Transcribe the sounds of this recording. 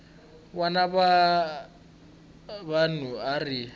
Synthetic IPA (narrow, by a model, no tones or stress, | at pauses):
wanaba | banuarɪ